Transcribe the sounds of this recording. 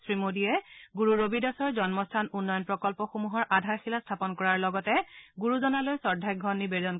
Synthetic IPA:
sɹimodijɛɡuɹuɹobidɔsɔɹzɔnmɔstʰanunːɔjɔnpɹɔkɔlpɔxomuɦɔɹʔadʱaɹxilastʰapɔnkɔɹaɹlɔɡɔtɛɡuɹuzɔnalojsɔɹdʱakɡʱɔnːibedɔn

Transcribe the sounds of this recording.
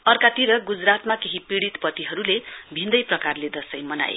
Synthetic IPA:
ʌrkat̪iɾʌɡud͡zrat̪makeɦipiɽit̪pʌt̪iɦʌɾulebʱĩnd̪ʌjprʌkarled̪ʌsʌjmʌna̰j̰

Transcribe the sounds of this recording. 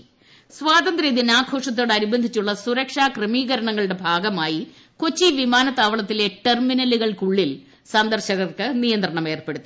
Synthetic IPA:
sʋaːt̪ɐnd̪ɾɐd̪inaːɡʱo̞ːʂɐt̪̬ːo̞ːɽɐɾubɐnd̪ʱit͡ɕːuɭːɐsuɾɐkʂaːkrɨmiːɣɐɾɐɳɐŋːɐɭɨɽe̞bʱaːɡɐmaːji | kot͡ɕːiʋimaːnɐt̪ːaːʋɐɭɐt̪ːile̞ʈerminɐlːuɣɐɭkuɭːil | sɐnd̪ɐrɕɐɣɐrkɨnijɐnd̪rɐɳɐme̞ːrpe̞ɽut̪ːi

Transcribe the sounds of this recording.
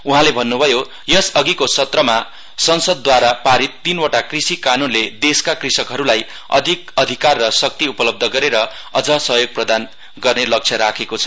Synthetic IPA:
uɦãlebʱʌnːubʱʌjo | jʌsʌɡikosʌt̪rʌma | sʌnsʌd̪ːwaɾapaɾit̪ːinwʌʈakrisikanunled̪eskakrisʌkɦʌɾulaj | ʌ̰d̪ʱik̚ʌd̪ʱikarːʌsʌk̚t̪iupʌlʌb̚d̪ʱʌɡʌɾeɾʌ | ʌd͡zʌsʌɦjoɡ̚prʌd̪an | ɡʌrnelʌk̚t͡sʰʌɾakʰekot͡sʰʌ̥

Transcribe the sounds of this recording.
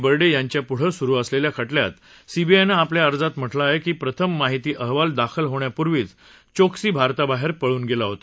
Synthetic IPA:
bəɾɖejaɲt͡ɕjapuɽ̤əsuɾuːəsleljakʰəʈlja̰t̪ | sibiajnaːpljaəɾd͡zat̪m̤əʈlaːɦekiːpɾət̪ʰəmːaɦit̪iːʔəɦʋald̪akʰəlɦoɳjapuɾʋiːt͡s | t͡ɕoksiːbʱaɾt̪abaɦeɾpəɭuːnɡelaɦot̪a

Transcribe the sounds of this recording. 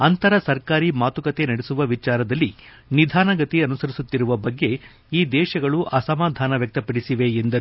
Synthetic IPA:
ɐnt̪ɐɾɐsɐɾkaːɾimaːt̪ukɐt̪e̞nɐɽesuʋɐʋit͡ʃaːɾɐd̪ɐlːi | nid̪ʱaːnɐɡɐt̪iɐnusɐɾisut̪ːiɾuʋɐbɐɡːe̞ | iːd̪ɛːʃɐɡɐɭuʔɐsɐmaːd̪ʱaːnɐʋjɐk̚t̪ɐpɐɽisiʋe̞end̪ɐɾu

